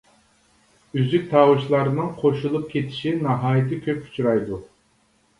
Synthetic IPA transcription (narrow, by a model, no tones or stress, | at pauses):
yzykʲt̪ʰɑːwɨʃlˠɑɾɨnɨŋqʰoʃulˠup̚kʲʰet̪ʰi̥ʃinɨɦɑːjit̪ʰɨkʲʰøpy̥t͡ʃʰuɾɑjd̪u